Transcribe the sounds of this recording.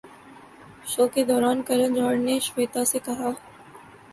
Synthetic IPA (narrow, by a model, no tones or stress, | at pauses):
ʃoːked̪ɔːɾaːnkɐɾə̃nd͡ʒɔːɽneʃʋeːt̪asekɐɦaː